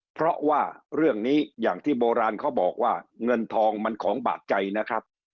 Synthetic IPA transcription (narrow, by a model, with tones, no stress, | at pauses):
pʰɾɔ˦˥ʔwaː˥˩ɾɯ˥˩əŋniː˦˥jaː˨˩ŋt̪ʰiː˥˩boː˧ɾaː˧nkʰa˦˥wbɔː˨˩k̚waː˥˩ŋɤ˧nt̪ʰɔː˧ŋma˧nkʰɔː˩˦ŋba̰ː˨˩t̪̚t͡ɕa˧jna˦˥kʰɾa˦˥p̚